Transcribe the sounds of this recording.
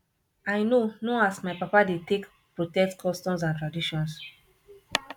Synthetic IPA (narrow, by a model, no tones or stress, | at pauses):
ajnonɔasmajpapadetek | pɹotɛk̚tkʰɔstɔ̃ms̬ãntɹadiʃɔ̃ns